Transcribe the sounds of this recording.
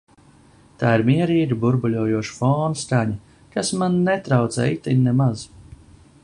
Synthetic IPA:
t̪aːiɾmʲiɛɾiːɾibuɾbulʲuɔjuɔʃfɔːnst̪aɲa | kasmannɛt̪ɾawt̪sɛ̰it̪innɛmaz

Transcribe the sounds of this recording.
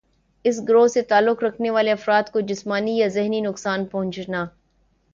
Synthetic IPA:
ɪs̬ɡɾoːɦset̪aːlːʊkɾɐkʰneʋaːleɐfɾaːd̪kod͡ʒɪsmaːnijazɪɦninʊksaːnpɐɦʊ̃nt͡ʃnaː

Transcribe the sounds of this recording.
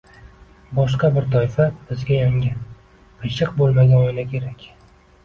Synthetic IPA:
bɒʃqɑbɪɾt̪ʰɒjfab̥ɪzɡʲajaŋʲɪ | ɨʃɨqbolˠmaɡʲaɒɪlakʲʰe̞ɾakʲ

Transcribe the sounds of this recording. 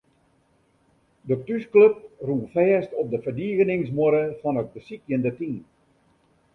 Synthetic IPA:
dətyskløp̚runfɛːstɔp̚dəfərdiːɣənɪŋsmʊɾəfɔnət̚bəsikjəndətin

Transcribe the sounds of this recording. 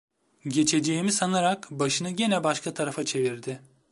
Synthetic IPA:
ɟe̞t͡ʃʰe̞d͡ʒe̞jimisanaɾakbaʃɯnɯɟenɛbaʃkʰat̪ʰaɾafat͡ʃʰe̞viɾd̪ɪ

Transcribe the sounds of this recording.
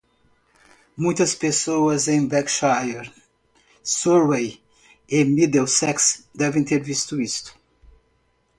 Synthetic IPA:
mũj̃t̪ɐspesoɐzẽj̃bɛkʃajeɾ | sɔɾwej | emid̪ewsɛksd̪ɛvẽt̪eɾvist̪ʊist̪ʊ̥

